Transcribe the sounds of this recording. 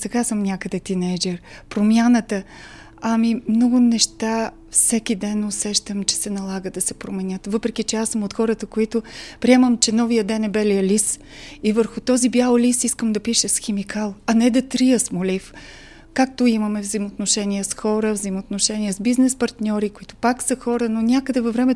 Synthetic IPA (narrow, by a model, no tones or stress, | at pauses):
sɛɡasəmnʲakəd̪ɛt̪inɛjd͡ʒɛɾpɾomʲjanət̪ə | ɐmimnɔɡʊnɛʃt̪a | fsɛk̟id̪ɛnosɛʃt̪əmt͡ʃɛ̥sɛnɐlˠaɡəd̪ɐsɛpɾomɛnʲət̪vɤpɾɛkit͡ʃɛasəmot̪xɔɾət̪əkoit̪ʊpɾiɛməmt͡ʃɛnɔvijəd̪ɛnɛbɛlʲiəlis | ivəɾxʊt̪ɔzibʲjalˠolisiskəmd̪ɐpiʃəsxɛmikalˠɐnɛd̪ɐt̪ɾijəsmolif | kak̚t̪oiməmɛvzəimot̪noʃɛniɛsxɔɾəvzəjimot̪noʃɛniɛzbiznɛspɐɾt̪nʲɔɾikoit̪ʊ̥paksəxɔɾənonʲakəd̪ɛvɐvɾɛmɛ